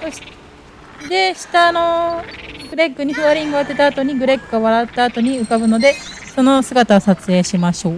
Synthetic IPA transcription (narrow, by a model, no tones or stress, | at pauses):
soɕi̥ | d̪e̞ɕi̥t̪aːno̞ | ɡɯ̟ɾe̞kːɯ̟ɲ̟iɸɯaɾʲĩŋɡɯat̪ːe̞t̪aːt̪o̞ɲ̟iɡɯ̟ɾe̞kːɯoβaɾat̪ːaːt̪o̞ɲ̟iɯ̟kabɯ̟no̞d̪e̞ | so̞no̞sɨɡat̪aasat͡sɨe̞ːɕimaɕo̞ː